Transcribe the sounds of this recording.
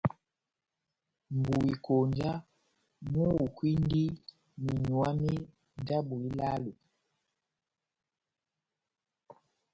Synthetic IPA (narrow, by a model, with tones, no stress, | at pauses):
m˨bu˨i˨ko˨nd͡ʒa˦ | mu˦wu˨kwi˦n˦di˦ | mi˨ɲu˨a˦mi˦ | n˦da˦bu˨i˦la˦lu˨